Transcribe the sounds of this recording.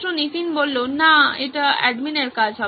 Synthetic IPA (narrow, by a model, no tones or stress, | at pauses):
ũnit̪inbolːonaeʈaɛ̰ɖmineʈkat͡ʃʰa